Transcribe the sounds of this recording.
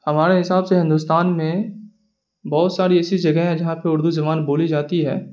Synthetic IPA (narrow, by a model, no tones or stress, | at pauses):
hɐmaːɾeɦɪsaːbseɦɪ̃nd̪ust̪aːnmẽ | bɔːʊt̪saːɾiɛːsid͡ʒɐɡɛɦɦɛ̃d͡ʒɐɦãpeʊɾd̪uzɐʋaːnboːlid͡ʒaːt̪iɦɛ̰ː